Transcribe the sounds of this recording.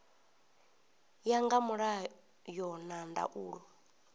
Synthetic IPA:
jaŋɡamuɺa | jɔnanda̰ʔuːɺɔ

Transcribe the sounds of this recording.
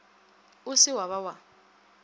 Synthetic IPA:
ʊsɪwaβawa

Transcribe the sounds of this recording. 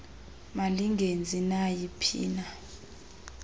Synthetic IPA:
maliŋɡʱend͡zʱinajipʰḭːna

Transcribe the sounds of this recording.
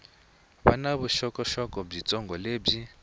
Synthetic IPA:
βanaβuʃɔkʼɔʃɔkʼɔb͡ʐit͡sʼɔŋɡɔleːbi

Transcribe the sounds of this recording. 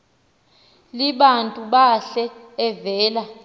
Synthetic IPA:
liɓantʼuɓaɬɛː | vɛːla

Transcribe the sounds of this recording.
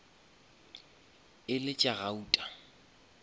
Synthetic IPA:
ɪlɪt͡ʃʼaɣauːtʼa

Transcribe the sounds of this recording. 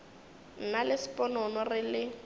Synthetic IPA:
n̩nalɪsɪpʼɔnɔnɔrɪlɪ

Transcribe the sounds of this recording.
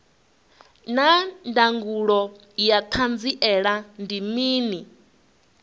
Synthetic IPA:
nandaŋɡuɺɔ | jat̪ʰand͡ziʔɛɺandimiːni

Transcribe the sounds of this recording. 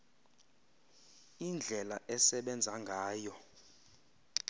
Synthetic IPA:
ind͡ɮʱɛlaʔɛsɛɓɛnd͡zʱaŋɡʱaːjɔ

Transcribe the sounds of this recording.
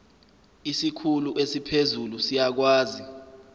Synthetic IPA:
isikʰuluʔesipʰezulusijak̬waːzi

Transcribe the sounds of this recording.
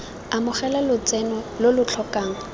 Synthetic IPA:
amʊχɛlalʊt͡sʼɛnɔlʊlʊt͡ɬʰɔkʼaːŋ̩

